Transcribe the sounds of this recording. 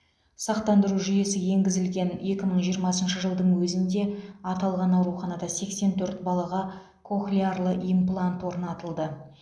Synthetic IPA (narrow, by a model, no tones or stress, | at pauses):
sɑqt̪ɑnd̪əɾuʒʏje̞sɪje̞ŋɡʲɪzɪlɡʲe̞ne̞kʲɪməɴʒijəɾmɑsənʃəʒəlˠd̪əɴwɵzɪnd̪e̞ɑt̪ɑlˠʁɑnɑwɾuχɑnɑd̪ɑse̞kse̞nt̪ʰɵɾt̪bɑlˠɑʁɑ | kʰo̞xlʲiarlˠəʔimplˠant̪wo̞ɾnɑt̪əlˠd̪ə